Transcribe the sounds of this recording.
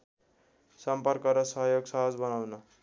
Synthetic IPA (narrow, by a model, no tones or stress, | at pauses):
sʌmpʌrkʌɾʌsʌɦjoɡsʌɦʌd͡zbʌnawnʌ